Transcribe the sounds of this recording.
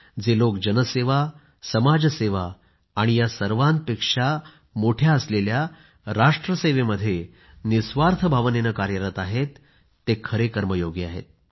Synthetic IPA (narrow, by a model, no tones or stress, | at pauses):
d͡zelokd͡ʑənəseʋa | səmad͡zseʋaː | ɽ̃ijasəɾʋant̪̚pekʂa | moʈʰjaəslelja | ɾaʂʈɾəseʋeməd̪ʱːje | nisʋaɾt̪ʰəbʱaʋnenəkaɾjəɾət̪aɦet̪ː | ekʰəɾekəɾməjoɡia̰ɦḛt̪̚